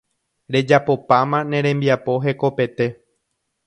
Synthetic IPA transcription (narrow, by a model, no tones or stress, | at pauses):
ɾe̞d͡ʒapo̞pãmãnẽ̞ɾ̃ẽ̞mbiapo̞ɦe̞ko̞pe̞t̪e̞